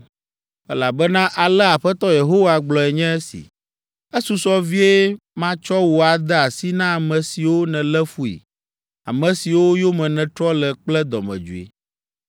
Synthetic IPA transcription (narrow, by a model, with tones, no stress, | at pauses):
ɛ˦la˨bɛ˦nã˦ʔa˨lɛ˦a˨ɸɛ˦t̪ɔ˦je˨ɦo˦wa˨ɡ͡blɔ˨ɛ˨ɲɛ̃˦e˦sḭ˨ | ɛ˦su˨˦sɔ˦vi˦e˦ | mã˦t͡ʃɔ˦wo˨a˨d̪ɛ˦a˨si˦nã˦a˨mɛ̃˨si˨wo˦nɛ̃˨lɛ˦fu˦ḭ˨ | a̰˨mɛ̃˨si˨wo˦jo˦mɛ̃˨nɛ̃˨t̪ɾɔ˦lɛ˨k͡plɛ˦d̪ɔ˨mɛ̰̃˨d͡ʒṵ˨ḛ˨